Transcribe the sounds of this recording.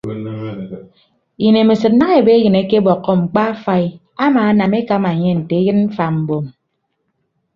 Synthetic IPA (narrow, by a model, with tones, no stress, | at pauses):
ji˨ne˨mi˨sɨ˨t̚na˦ŋe˨be˦jɨ˨ne˨˦ke˦bɔ˨kːɔ˦ŋ͡m̩˨k͡pa˦fa˦i˦ | a˦maː˨a˦na˨me˦ka˦ma˨ɲe˦n̩˨te˨e˦jɨ˦nm̩˦fa˨m̩˨bo˨m